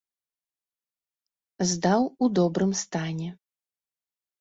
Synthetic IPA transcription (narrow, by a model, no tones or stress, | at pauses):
zd̪awud̪ɔbɾɨmst̪anʲɛ